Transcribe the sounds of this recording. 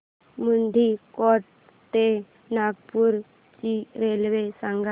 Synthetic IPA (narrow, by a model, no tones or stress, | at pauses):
mund̪ʱikɔʈ̚ | t̪e | naɡpuɾ | t͡ʃiɾelʋesaŋɡa